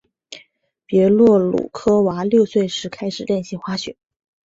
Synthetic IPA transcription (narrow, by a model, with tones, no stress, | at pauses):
pjɛ˧˥lwɔ˥˩lṵ˨˩kʰɤ˥wa˧˥ljo˥˧ʊswe˥˩ɪʂɻ̩˧˥kʰa˥ɪʂɻ̩˨˩ljɛ˥˧nɕi˥˩ŋxwa˥ɕɛ̰˨˩˦